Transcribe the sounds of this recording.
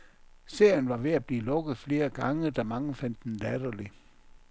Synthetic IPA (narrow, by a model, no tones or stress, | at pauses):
se̝ɐ̰jənʋɑ̈ʋe̝æb̥liːlɔ̽ɡ̥ð̩ˠfle̝ːɐɡ̥ɑ̈ŋəd̥ɑ̈mɑ̈ŋəfæn̰d̥endædoli